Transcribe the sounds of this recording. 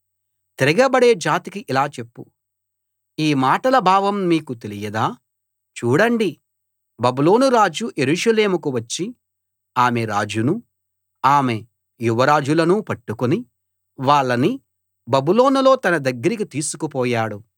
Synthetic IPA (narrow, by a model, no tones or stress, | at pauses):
t̪eɾɐɡɐbɐɽe̞ːd͡ʒaːt̪ikiʔilaːt͡ʃe̞pːu | iːmaːʈɐlɐbʱaːʋɐmːiːkut̪e̞lijɐd̪aː | t͡ʃuːɽɐɳɖi | bɐbulo̞ːnuɾaːd͡ʒuje̞ɾuʂɐle̞ːmukuʋɐt͡ʃːi | aːme̞ɾaːd͡ʒunu | aːme̞ | juʋɐɾaːd͡ʒulɐnupɐʈːukoni | ʋaːɭːɐni | bɐbulo̞ːnulo̞ːt̪ɐnɐd̪ɐɡːɐɾikit̪iːsukupɔːjaːɽu